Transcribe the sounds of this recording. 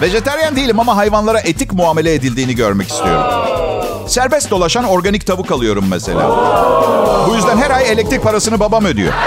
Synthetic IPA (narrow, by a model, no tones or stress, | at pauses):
ve̞d͡ʒe̞t̪ʰæɾjænd̪ejilʲimamaɦajvanlˠaɾaʔet̪ʰicmuaːme̞lʲɛed̪ilʲd̪iːniɟøɾmɛci̥st̪ʰḭjoɾṵm | sæɾbɛst̪̚d̪o̞lˠaʃano̞ɾɡanic̚t̪ʰavɯkalˠɯjo̞ɾumːɛse̞̰lʲa̰ː | bujyzd̪ænɦæɾaje̞lʲɛc̚t̪ɾic̚pʰaɾasɯnɯbabamød̪yjo̰